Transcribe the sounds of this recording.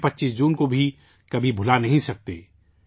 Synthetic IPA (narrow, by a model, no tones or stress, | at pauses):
pɐtːʃiːsd͡ʒuːnkobʱi | kɐbʱibʱʊlanɐɦĩsɐk̚t̪ḛː